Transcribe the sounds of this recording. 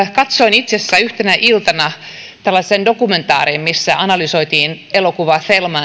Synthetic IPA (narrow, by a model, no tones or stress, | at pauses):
kɑt̪soinit̪sesːæyht̪enæʔilt̪ɑnɑ | t̪ælːɑsendokument̪ɑ̰ːɾiːmmisːæʔɑnɑlysoit̪iːn | elokuʋɑθelmɑ